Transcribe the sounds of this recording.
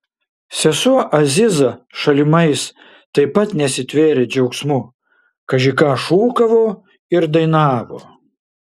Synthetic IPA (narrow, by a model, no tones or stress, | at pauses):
sʲɛsuʔɐzʲɪzɐʃɐlʲɪmɐɪs | t̪ɐɪpɐt̪nʲɛsʲɪt̪ʲʋʲeːɾʲed͡ʒʲɛʊksmʊ | kɐʒʲɪkɑʃuːkɐʋoː | ɪɾd̪ɐɪnɑːʋo̰ː